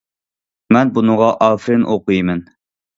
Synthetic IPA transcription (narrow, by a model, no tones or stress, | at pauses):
mɛnbunɨʁɑʔɑfɾɪnʔoqujmɛn